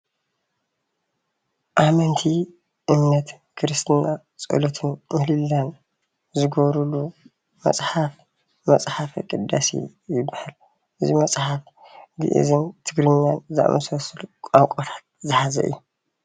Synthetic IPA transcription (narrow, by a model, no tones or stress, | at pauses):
ʔamɐnt̪ʰi | ʔɨmnɐt̪ | kʰɨɾɨst̪ʰna | t͡sʼo̰lot̪ʰɨnmɨhlɨlːan | zɨɡoβɾulu | mɐ̰sʼħaf | mɐst͡sʼħafikʼɨd̪a̰sḭ | jɪbːahal | ʔɨzimɐsʼħaf | ɡɨ̰ʔḭzɨnt̪ʰɨɡɾɨɲːanza̰ʔmɐsɐsɨlukʷʼaŋkʷʼot̪ʰḁt̪̚zɨħazɐ̰ʔɨ̰jːu